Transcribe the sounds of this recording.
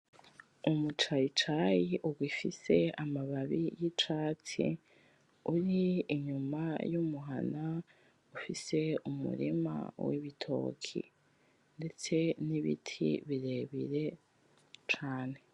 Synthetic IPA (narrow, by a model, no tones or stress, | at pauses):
umut͡ʃait͡ʃajiʔuɡwifise̞amaβaβijit͡ʃaːt͡sḭ | uɾiːɲumajumuɦa̰na | ufise̞umṵɾḭma̰wḭβitʰo̞̰ːkʰḭ | nde̞t͡se̞niβḭtʰḭβiɾe̞βiɾe̞ | t͡ʃaːne̞